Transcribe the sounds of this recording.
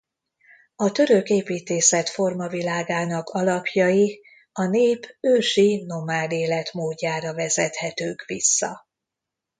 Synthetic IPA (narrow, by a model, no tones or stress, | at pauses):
ɒt̪ø̞ɾø̞keːpiːt̪eːsɛt̪fo̞rmɒvilaːɡaːnɒkʰɒlɒpjɒji | ɒneːpøːʃino̞maːleːlɛt̪moːdːaːɾɒvɛzɛt̪hɛt̪øːkʋisːɒ̰